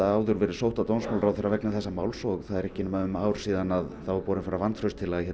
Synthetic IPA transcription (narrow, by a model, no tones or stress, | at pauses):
aaːwðʏɾvɛɾɪsowht̪at̪ownsmawlɾaːwθɛːɾaɾvɛknaθɛsːamaːwlsɔɣθaðɛɾɛhcɪnʏmaʏmaːwɾ̥siːðanaðθawvapɔːɾɪnfaɾavant̪fɾœst̪ʰɪlaçɛ